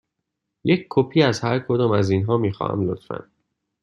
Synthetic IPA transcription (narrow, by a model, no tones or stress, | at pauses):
jecʰkʰopʰiːæzhæɾkʰod̪ɒːmæziːnɦɒːmiːxɒ̰ːhæ̰mlot̪fæ̰n